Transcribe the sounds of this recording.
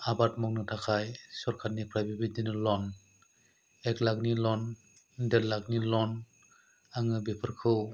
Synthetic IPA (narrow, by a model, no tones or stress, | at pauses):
abat̚mɔk̚nɯtʰakʰajsɔɾkʰaɾnipʰɾajbibidinɯlɔn | eklak̚nilɔn | deɾlak̚nilɔn | aŋɯbepʰɯɾkʰɯw